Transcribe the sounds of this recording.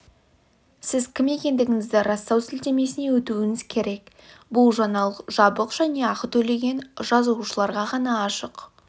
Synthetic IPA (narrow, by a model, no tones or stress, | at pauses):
sɪzkʲʰɪme̞kʲe̞nd̪ɪɡʲɪŋɪzd̪ɪɾɑst̪ɑwsɪlt̪e̞me̞sɪne̞wɵt̪uwɪŋɪz̥kʲʰe̞ɾe̞k | bʊlˠʒɑnɑlˠəqʒɑbəqʒ̥æne̞ɑqət̪ʰɵle̞ɡʲe̞nʒɑzuʃəlˠɑɾʁɑʁɑnɑːʃəq